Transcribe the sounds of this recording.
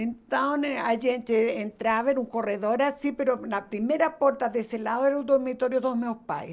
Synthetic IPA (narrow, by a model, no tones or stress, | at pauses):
ent̪aneaʒent̪eent̪ɾaβaenuŋkoreðoɾasipeɾolapɾimeɾapoɾt̪aðeselaðoeɾud̪oɾmit̪oɾjoðomeospa̰j